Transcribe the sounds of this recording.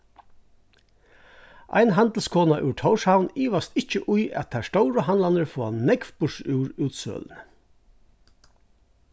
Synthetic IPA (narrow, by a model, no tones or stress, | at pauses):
ʔa̰jnɦant̪l̩skʰoːnaʔʉ̰t̪ʰɔwʂhawniːʋast̪ɪht͡ʃəʔʊjæ̰tt̪ʰast̪ɔwɾəɦanlanəɹfɔːa̰nnɛkfbʊʂʉːɾʉːt̪sœ̰ːln